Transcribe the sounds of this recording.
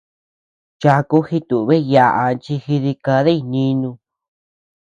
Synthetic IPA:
t͡ʃa˧ku˦hi˧t̪u˨βe˦ja˧ʔa˧t͡ʃi˧xi˧ði˧ka˧ðe˦i˧nĩ˧nũ˧

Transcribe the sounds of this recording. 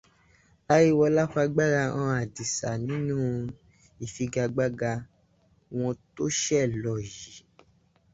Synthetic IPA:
a˦ji˦wɔ˧la˦fa˧ɡ͡ba˦ɾa˧ã˧a˨di˨sa˨nĩ˨˦nũ˦˧ | i˨fi˧ɡa˧ɡ͡ba˦ɡa˧ | w̃ɔ̃˧to˦ʃɛ˦˨lɔ˨ji˨˦

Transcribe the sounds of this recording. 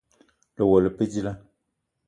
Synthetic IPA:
lə˨wɔ˨lə˨pe˦d͡ʒi˦la˦

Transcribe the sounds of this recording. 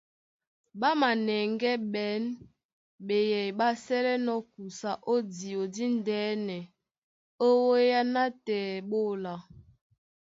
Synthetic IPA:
ɓa˦ma˨nɛ˨ŋɡɛ˦ɓɛ˨˦n | ɓe˨jɛ˨jɓa˦sɛ˦lɛ˦nɔ˦ku˨sa˨ʔo˦di˨o˨di˦n˦dɛː˦nɛ˨ | o˦wo˦ja˦na˦tɛː˨ɓo˦˨la˨

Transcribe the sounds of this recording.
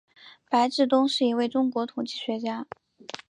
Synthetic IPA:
pa˧˥ɪʈ͡ʂɻ̩˥˩t̪ʊ˥ŋʂɻ̩˥˩i˧˥we˥˩ɪʈ͡ʂʊ˥ŋkwɔ˧˥t̪ʰʊ˨˩ŋt͡ɕi˥˩ɕɥɛ˧˥t͡ɕja˥

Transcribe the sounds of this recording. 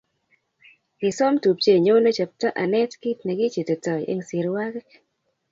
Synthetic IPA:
ɡɪ˨sɔ˦mtu˨p̚t͡ʃe˦˨ɲo˦wno˦t͡ʃa˨p̚tɔ˦ʔa˨nɛ˦tkɪ˦tnɛ˨ɡɪ˦t͡ʃe˨te˨tɔ˨jʔḛ˦ŋsɪ˨ɾwa˦kk

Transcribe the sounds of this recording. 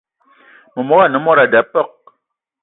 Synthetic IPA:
mə˨mɔ˦ɣa˦˨nə˨˦mɔ˦ɾa˨da˨pɔ˦˨k̚

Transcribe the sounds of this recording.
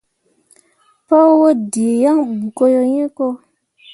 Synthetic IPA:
pɔ˦wo˦di˨e˨jã˦ŋbu˨ko˦jo˦ɲẽ˦ko˦

